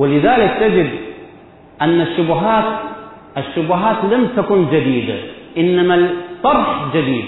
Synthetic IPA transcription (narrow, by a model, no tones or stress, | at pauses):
wɪlɪðaːlɪkt̪ad͡ʒɪd̪ | ʔanːaʃːʊbʊɦaːt̪ | ʔaʃːʊbʊɦaːt̪lamt̪akʊnd͡ʒad̪iːd̪a̰ʔɪnːamat̪ˤːɑɾˤħd͡ʒad̪iːd̪